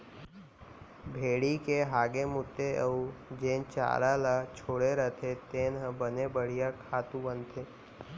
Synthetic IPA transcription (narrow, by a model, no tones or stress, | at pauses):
bʱeːɽikeɦaːɡemʊt̪ːeəud͡ʒẽːnt͡ʃa̰ːɾalat͡ʃʰoːɽeɾət̪ʰet̪eːnɦə̃bənebəɽ̤ijakʰaːt̪ũbə̃nt̪ʰeː